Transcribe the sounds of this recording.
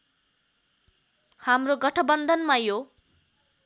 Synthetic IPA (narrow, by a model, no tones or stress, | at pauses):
hamroɡʌʈʰʌbʌnd̪ʱʌnmajo